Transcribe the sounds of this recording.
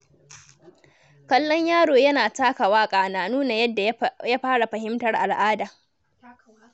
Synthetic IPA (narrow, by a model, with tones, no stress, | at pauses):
kɐ˦lːɔ˦ɲjaː˦ɽoː˨jɐ˦naː˨taː˦ka˨waː˦kʼaː˨naː˦nuː˦na˨jɐ˦dːa˨ja˦ɸaː˦ɽa˨ɸɐ˨ɦɪ˦mtɐ˦rʔa˨lʔaː˦daː˨